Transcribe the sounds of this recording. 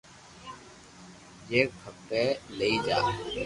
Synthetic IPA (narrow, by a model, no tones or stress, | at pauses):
jeːkʰəkteːləiːd͡ʒaː